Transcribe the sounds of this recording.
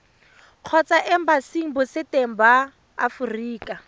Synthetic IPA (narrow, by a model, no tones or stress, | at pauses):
q͡χʰɔt͡saʔɪm̩basiŋ̩bʊsɪteŋ̩baː | furiːkʼa